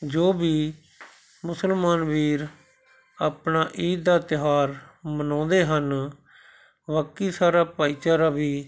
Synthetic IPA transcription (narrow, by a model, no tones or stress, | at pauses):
d͡ʒoːbiː | mʊsəlmaːnʋiːɾ | aːpnaːʔiːt̪̚d̪aːt̪ɪɦaːɾmənɔ̃ːnd̪eːɦən | ʋəkːiːsaːɾaːpaːiːt͡ʃaːɾaːbiː